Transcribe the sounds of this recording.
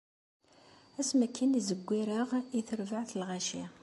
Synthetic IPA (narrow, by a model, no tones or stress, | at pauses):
æsmækʰːænizəɡʷːiɾəʁiθəɾvəʕθəlʁæʃi